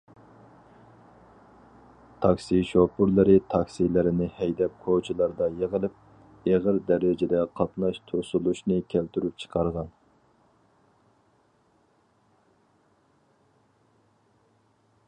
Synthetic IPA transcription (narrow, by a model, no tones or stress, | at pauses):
t̪ʰɑkʲsiʃopuɾlˠɨɾɪt̪ʰɑkʲsilɪɾɪnɪhɛjd̪ɛp̚kʰot͡ʃʰilˠɑɾd̪ɑjeʁəlˠɪp̚ | eʁəɾd̪ɛɾɪd͡ʒɪd̪ɛqʰɑt̪nɑʃt̪ʰuɾsulˠuʃnɨkʲʰælt̪yɾyp̚t͡ʃʰə̥qʰɑɾʁɑn